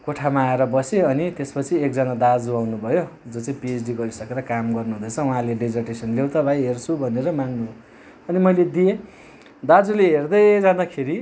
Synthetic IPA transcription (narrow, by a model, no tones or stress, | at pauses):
koʈʰamaːeɾʌbʌseʌnit̪espʌt͡sʰiek̚d͡zanad̪ad͡zuawnubʱʌjod͡zot͡sãĩpiesɖiɡʌɾisʌkeɾʌkamɡʌrnuɦũd̪ʌt͡sʰʌuɦãleɖed͡zʌrʈesʌnlewt̪abʱajɦert͡sʰubʱʌneɾʌmaŋnu | ʌnimʌjled̪ije | d̪ad͡zuleɦerd̪ʌjd͡zãd̪akʰeɾi